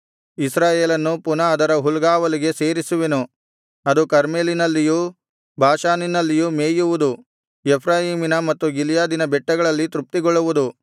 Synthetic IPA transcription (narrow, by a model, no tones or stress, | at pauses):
isɾaːjeːlɐnːupunɐːd̪ɐɾɐɦulɡaːʋɐliɡe̞se̞ːɾisuʋenu | ɐd̪ukɐɾmeːlinɐlːiju | bʱaːʃaːninɐlːijumeːjuʋud̪u | epʰɾaːjiːminɐmɐt̪ːuɡiljaːd̪inɐbɛʈːɐɡɐɭɐlːit̪ɾup̚t̪iɡɔɭːuʋud̪u